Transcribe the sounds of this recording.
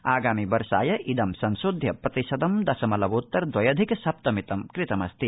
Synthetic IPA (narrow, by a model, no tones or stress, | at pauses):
aːɡaːmibɐɾʃa̰ːjɐʔʔid̪ɐmsɐ̃nsud̪ʱjɐpɾɐt̪iʃɐd̪ɐmd̪ɐsɐmɐlɐbut̪ːɐɾd̪wɐjɐd̪ʱiksɐp̚t̪ɐmit̪ɐmkɾɪt̪ɐmɐst̪i